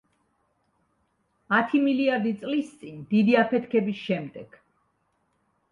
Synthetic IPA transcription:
at̪ʰimiliaɾd̪it̪sʼlist̪sʼind̪id̪iapʰɛt̪ʰkʰɛbisʃɛmd̪ɛɡ̥

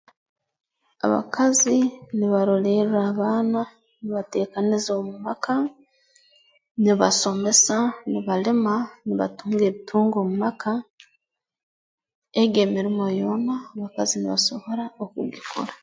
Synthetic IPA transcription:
a̰βa̰kʰaziniβaɾoleɾuɾaːβaːna | niβate̞ːkanizoːmumaka | niβaso̞me̞saniβalemaniβa̰tuːŋɡeːβitʰuːŋɡo̞ːmumakʰa | eɡemiɾimojo̞ːnaːβakaziniβa̰so̞βo̞ɾaokṵɡikʰo̰ɾḁ

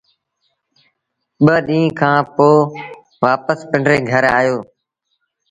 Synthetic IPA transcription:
ɓəɗĩːkʰãːpoː | ʋaːpəspə̃ɳɖɾeːɡʱəɾa̰ːjoː

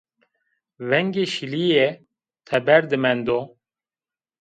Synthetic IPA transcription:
vɛŋɡeʃilijɛ | t̪ʰɛbɛɾd̪ɨmɛnd̪o

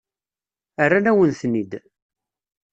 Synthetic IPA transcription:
ərːanæwənθnid̪

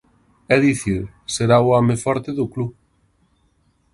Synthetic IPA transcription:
ɛðiθi | seɾauɔmefɔɾt̪eðʊklu

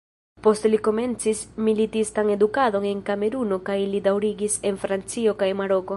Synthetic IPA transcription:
po̞stliko̞me̞nt͡sismilitistane̞dukado̞ne̞nkame̞ɾuno̞kajlidawɾiɡise̞nfɾant͡sio̞kajmaɾo̞ko̞

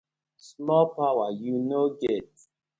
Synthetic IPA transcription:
smɔlpawajunoɡet̚

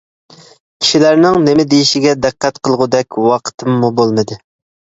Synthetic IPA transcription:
kʲʰi̥ʃilæɾnɪŋnɪmɪd̪ejiʃɪɡʲɛd̪æqːɛt̪qʰəlˠʁʊd̪ɛkʲwɑqʰə̥t̪ʰɨmːubolˠmɨd̪ɨ

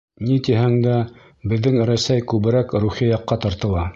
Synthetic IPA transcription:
nit̪iɦæŋd̪æ | bɘ̆ðːɘŋɾæsæjkʉβɘ̆ɾækɾuχijɑqːɑt̪ɑɾt̪ɤ̆lˠɑ

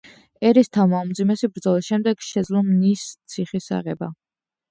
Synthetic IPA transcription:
ɛɾist̪ʰavmaumd̪zimɛsibɾd̪zɔlisʃɛmd̪ɛɡ̥ʃɛd̪zlˠɔmnist̪sʰiχisa̰ʁɛba

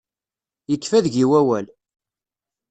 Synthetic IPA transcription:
jəkːfæðʝiwæwæl

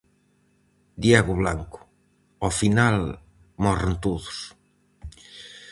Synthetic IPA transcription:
d̪jaɣʊβlaŋkʊ̥ | ɔfinal | mɔɾent̪oðʊs

